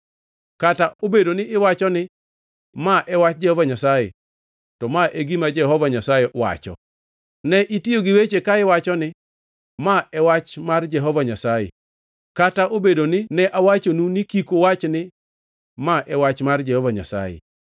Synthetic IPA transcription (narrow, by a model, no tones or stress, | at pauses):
kataobedonɪʔɪwat͡ʃɔnɪ | maʔɛwat͡ʃd͡ʒɛhɔvaɲasajḛ | tɔmaʔeɡimad͡ʒɛhɔvaɲasajewa̰t͡ʃɔ̰ | nɛʔitioɡɪwet͡ʃekaɪwat͡ʃɔnɪ | maɛwat͡ʃmard͡ʒɛɦɔvaɲasajɛ̰ | kataʔobedonɪnɛʔawat͡ʃonunɪkikowat͡ʃnɪ | maʔɛwat͡ʃmard͡ʒɛhɔvaɲa̰sa̰jɛ̰